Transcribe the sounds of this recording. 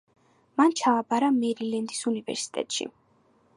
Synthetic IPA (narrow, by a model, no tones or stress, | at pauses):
mant͡ʃʰaːbaɾamɛɾilɛnd̪isunivɛ̰ɾsi̥t̪ʼɛ̰t̪ʼʃḭ